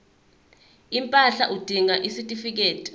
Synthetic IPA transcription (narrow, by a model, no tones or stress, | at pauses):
impʼaɬaʔud̥ʱiŋaʔisitʼifik̬eːtʼi̥